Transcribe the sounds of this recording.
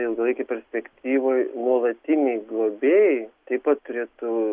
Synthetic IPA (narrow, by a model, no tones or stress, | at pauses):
ɪlˠɡɐlˠɐɪkʲɛpʲɛɾʲsʲpʲɛkt̪ʲiːʋoːjnuɔlˠɐt̪ʲɪnʲɛɪɡlˠoːbʲeɛjt̪ɐɪpɐt̪t̪ʊɾʲeːt̪ʊ